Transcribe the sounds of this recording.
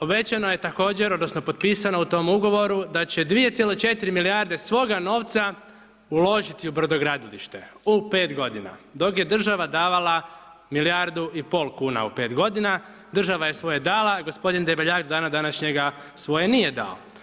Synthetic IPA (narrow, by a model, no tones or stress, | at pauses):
o̞be̞t͡ɕano̞jet̪ako̞ːd͡ʑeɾo̞d̪no̞sno̞po̞t̪piːsanout̪o̞muɡo̞ʋo̞ɾud̪at͡ɕed̪ʋie̞t̪sʲjelot͡ʃe̞t̪iɾimiliaɾd̪e̞sʋo̞ɡano̞ːʋt̪sa | ulˠo̞ʒit̪iubɾd̪oɡɾaːd̪ilḭʃt̪e̞upe̞ːt̪ɡo̞d̪ina̰d̪o̞kjed̪r̩ʒaʋad̪aːʋalˠa | milijaɾd̪uipo̞ːlˠkuːna̰upe̞ːt̪ɡo̞d̪ina | d̪r̩ʒaʋajesʋo̞jed̪alaɡo̞spo̞d̪ind̪ebeʎakd̪od̪aːnad̪anaʃɲeɡasʋo̞jenijed̪a̰o̰